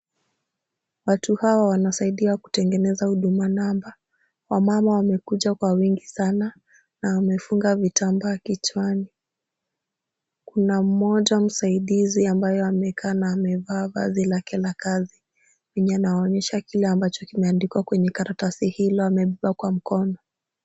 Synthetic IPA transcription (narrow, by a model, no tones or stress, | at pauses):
watuhawawanasaiɗiaku̥tɛŋɡɛnɛzahuɗumanamba | wamamawamɛkuʄakwawiŋɡisana | nawamɛfuŋɡavitambaːkit͡ʃwani | kunam̩mɔʄam̩saiɗiziambajɔamɛkʰaːnaːmɛvaːva̰zilakɛlakazi | wiɲanawɔɲɛʃakilɛambat͡ʃɔkimɛandikiwakwɛɲɛkaɾatasihilɔamɛɓiɓakwam̩kɔnɔ